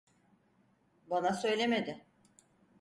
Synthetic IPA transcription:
banasø̞jlʲeme̞d̪ɪ

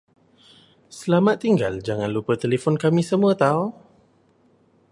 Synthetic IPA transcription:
səlamãt̪ːiŋɡald͡ʒaŋãnlupət̪elefɔnkamĩsəmuət̪au

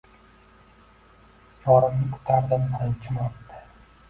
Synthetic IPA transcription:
jɒɾɪmnɪkʰʊ̥t̪ʰaɾd̪ɪnbɪɾɪnt͡ʃʰɪmɒpt̪ʰɪ̥

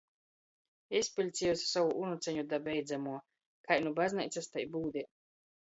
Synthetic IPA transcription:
esʲpʲilʲt̪sʲijɔsʲsavuʔunut̪sɛɲud̪abɛjd̪zamuɔ | kajnubaznḭjt̪sast̪ajbuːd̪ʲi

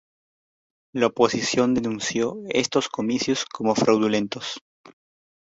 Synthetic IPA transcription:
laopo̞sisjo̞nd̪e̞nũnsjoḛst̪osko̞misjosko̞mo̞fɾawðule̞nt̪o̞s

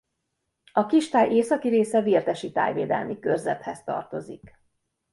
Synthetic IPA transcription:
ɒkiʃt̪aːjʔeːsɒkiɾeːsɛvirt̪ɛʃit̪a̰ːjveːd̪ɛ̰lmikørzɛt̪hɛst̪ɒ̰rt̪o̞zḭk

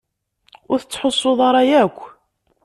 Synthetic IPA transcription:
ʊɾθət͡sːħosˤːʊðˤɑɾˤɑjækʷː

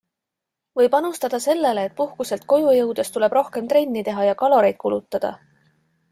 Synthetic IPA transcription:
vɤjbɑnust̪ɑd̪̥ɑse̞lːe̞leːt̪̚ˑpuhkuse̞lt̪̚ko̞jujɤwd̪̥e̞st̪ule̞b̥ɾo̞hke̞mt̪ɾe̞nʲːit̪e̞ɦɑjɑkɑlo̞ɾe̞jd̪̥̚kulut̪ːˑɑd̪̥ɑ̰

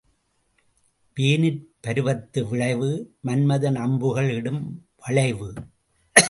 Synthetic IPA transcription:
peːnɪɾpɐɾɯʋɐt̪ːɯʋɪɭɐɪʋɯmɐnmɐðɐnɐmbɯɣɐɭɪɽɯmʋɐɭɐɪʋɯ

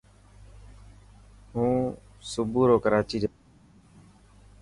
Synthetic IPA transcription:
ɦũː | sʊbuːɾoːkəɾaːt͡ʃiːd͡ʒ

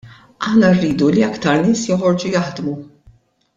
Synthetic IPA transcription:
ʔɐħnɐrːiːd̪uliɐkt̪ɐɾnɪːsjɔħɔɾd͡ʒujɐħd̪mu

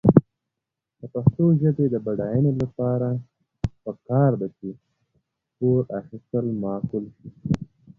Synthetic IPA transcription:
d̪̥əpaxt̪oʒəbed̪əbaɽɑjənelapɑɾa | pəkɑɾd̪at͡ʃe | t̪oɾaxist̪əlmɑːkʊlʃi

